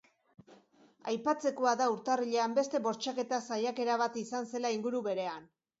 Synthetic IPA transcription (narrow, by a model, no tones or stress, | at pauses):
ajpat͡se̞ko̞aðauɾt̪ariʎe̞ambe̞st̪e̞βo̞ɾt͡ʃake̞t̪asajake̞ɾaβat̪isanse̞laiŋɡuɾuβe̞ɾe̞an